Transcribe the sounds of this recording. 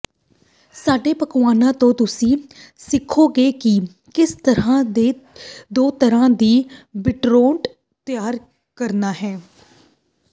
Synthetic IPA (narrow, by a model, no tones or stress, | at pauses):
saːɖeːpəkʋaːnãːt̪õːt̪ʊsĩːsɪkʰːoːɡeːkɪ | kɪst̪əɾãːd̪eːd̪oːt̪əɾãːd̪iːbɪʈɾoːɳʈ | t̪ɪjaːɾ | kəɾnaːɦɛː